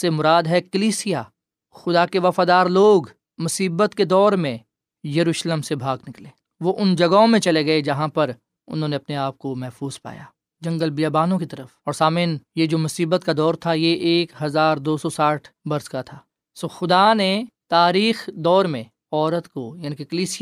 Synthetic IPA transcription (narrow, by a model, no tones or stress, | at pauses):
semʊɾaːd̪ɦɛkɐliːsija | xʊd̪akeʋɐfaːd̪aːɾloːɡ | mʊsiːbət̪ked̪ɔːɾmẽ | jɐɾuːʃlemsebʱaːɡnɪkleː | ʋoʔʊnd͡ʒɐɡaõmẽt͡ʃɐleɡɐed͡ʒɐɦãpɐɾ | ʊ̰nɦõːneɐpneaːp̚komɛɦfuːz̥pa̰ːja̰ː | d͡ʒɐ̃ŋɡəlbijaːbaːnõkit̪ɐɾəfɔːɾsaːmiːnjed͡ʒoːmʊsiːbət̪kad̪ɔːɾt̪ʰajeʔːkɦɐzaːɾd̪oːsɔsaːʈʰbɐɾskat̪ʰaː | soːxʊd̪anet̪aːɾiːxd̪ɔːɾmẽ | ɔːɾət̪kojaːnikekəliːsɪ